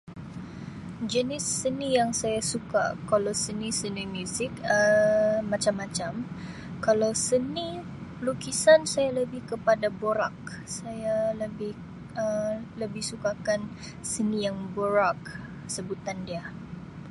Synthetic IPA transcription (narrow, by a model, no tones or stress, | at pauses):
d͡ʒənɪsːənijaŋsajasuka̰kalawsənisənimjusɪkəmat͡ʃamːat͡ʃam | kalawsəni | əlukisansajaləbɪhkəpadaboɾa̰k̚sajaləbɪh | ələbɪhsukakan | sənijaŋboɾak̚ | səbut̪andia